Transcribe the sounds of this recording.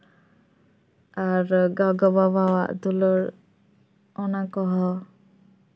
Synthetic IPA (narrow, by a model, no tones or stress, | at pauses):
aɾɡaɡɔbabawa̰ʔd̪ulɔɾ | ɔnakɔɦɔ